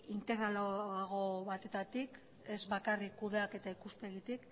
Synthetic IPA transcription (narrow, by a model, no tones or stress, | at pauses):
int̪e̞ɣɾaloaɣ̞o̞βat̪e̞t̪at̪ik | e̞zβakarikːuðe̞ake̞t̪aikuspe̞ɣit̪ik